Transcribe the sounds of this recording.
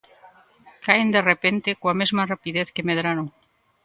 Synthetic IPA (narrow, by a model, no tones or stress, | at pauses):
kaend̪erepent̪ekoamezmarapiðeθkemeðɾano